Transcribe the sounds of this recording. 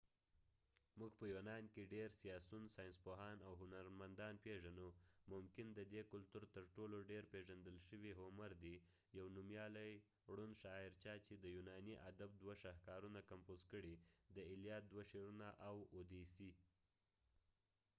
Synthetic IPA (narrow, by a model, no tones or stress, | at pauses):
muɡpəjonɑnkeɖeɾsijɑsunsɑjɪnspoɦɑnawɦʊnaɾmand̪ɑnpeʒanumʊmkɪnd̪əd̪ekʊlt̪uɾt̪əɾʈoloɖeɾpeʒand̪əlʃəwiɦʊmaɾd̪i | jawnumjɑləj | ɽunʃɑɪɾt͡ʃɑt͡ʃed̪əjunɑniʔad̪ab̚d̪waʃahkɑɾunakampozkəɽid̪əɪljɑt̪̚d̪waʃeɾunaʔawod̪esi